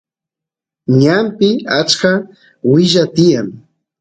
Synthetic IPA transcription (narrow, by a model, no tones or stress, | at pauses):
ɲampɪat͡ʃka | wɪʒat̪ɪjaŋ